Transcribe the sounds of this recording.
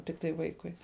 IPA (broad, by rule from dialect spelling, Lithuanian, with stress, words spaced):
ˈtʲɪktɐɪ ˈʋɐɪkʊɪ